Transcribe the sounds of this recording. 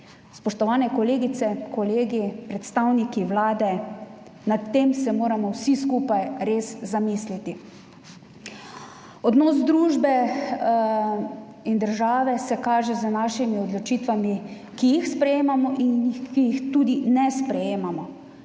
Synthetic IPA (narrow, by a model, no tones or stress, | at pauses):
spɔʃt̪ɔʋaːnɛkɔleːɡit̪sɛkʰɔleːɡipɾɛt̪st̪awnikiwlaːd̪ɛ | nat̪ːeːmsɛmoːɾamɔwsiskuːpajɾeːszamislit̪i | ɔd̪nɔːz̬d̪ɾuːʒbɛ | ind̪əɾʒaːʋɛsɛkaːʒɛzənaːʃimiɔd̪lɔt͡ʃiːt̪ʋami | kijixspɾɛjeːmamɔʔinkijixt̪uːd̪inɛspɾɛjeːmamɔ